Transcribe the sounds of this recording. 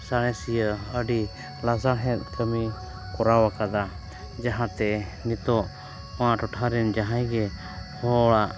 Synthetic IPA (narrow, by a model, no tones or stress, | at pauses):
saɽ̃ɛ̃sijəəɖi | lasaɦɛ̃t̪̚ˀkəmi | kɔɾawakad̪a | d͡ʒaɦãt̪ɛnit̪ɔʔ | ɔwaʔʈɔʈʰaɾɛnd͡ʒaɦajɡɛ | hɔɽaʔ